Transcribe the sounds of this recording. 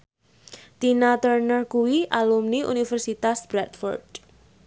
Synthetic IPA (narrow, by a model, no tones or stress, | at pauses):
t̪inat̪ərnərkuwiʔalumniʔṵnifərsit̪asb̥ɾɛt̪fɔ̰rd̥